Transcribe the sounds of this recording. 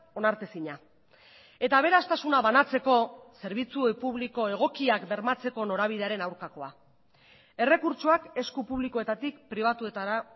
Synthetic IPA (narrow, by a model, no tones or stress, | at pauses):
o̞naɾt̪e̞siɲa | e̞t̪aβ̞e̞ɾast̪asunaβanat͡se̞ko̞se̞ɾβ̞it͡supuβliko̞e̞ɣ̞o̞kiakbe̞ɾmat͡se̞ko̞no̞ɾaβ̞ið̞e̞aɾe̞nawɾkako̞a | e̞re̞kuɾt͡ʃoake̞skupuβ̞likoe̞t̪at̪ikpɾiβ̞at̪ue̞t̪aɾa